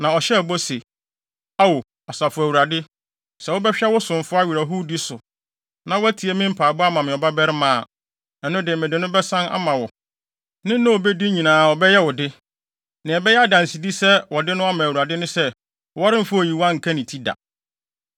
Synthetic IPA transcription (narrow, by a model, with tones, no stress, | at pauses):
nã˨ɔ˨ɕɛ˦˨bɔ˦se˨ | a˦wo˨ | ɔ˨sa˨fʊ˨æ˨wu˨ɾa˨dɪ˦ | sɛ˨wʊ˦bɛ˦ɕᶣa˦wʊ˦sʊ̃˨ɱ˨fʊ˦a˦ɥi˨ɾa˨ɦu˦di˦sʊ˨ | nã˨wɔ˦æ˦tʰi˨e˦mɪ̃˦m̩˦pʰaː˨bʊ˦a˦mã˨mɪ̃˨ɔ˨ba˦bɛ˦ɾɪ˦mãː˨ | ɛ˨nʊ̃˦dɪ˨mɪ̃˨dɪ˨nʊ̃˦bɛ˦sã˦na̰˦mã˨wɔ˨ | nɪ̃˦n˦nʊ̃˦o˨be˦di˦ɲĩ˨nãː˨ɔ˨bɛ˦jɛ˦wɔ˨dɪ˦ | nɪ̃˨ɛ˨bɛ˦jɛ˦a˦dã˨n˨si˨di˦sɛ˦wɔ˨dɪ˦nʊ̃˦a˦mã˨wu˨ɾa˨dɪ˦nʊ̃˦sɛ˦ | ɔ˨wɔ˦ɾɪ̃˦m̩˦fʊ˦o˨ji˨wã˦ŋ̩˨kʰã˦nɪ̃˨tʰi˦da̰˨